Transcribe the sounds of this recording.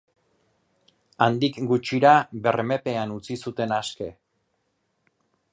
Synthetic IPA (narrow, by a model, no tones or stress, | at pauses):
and̪ikɡut͡ʃiɾaβe̞rme̞pe̞anut͡sisut̪e̞naske̞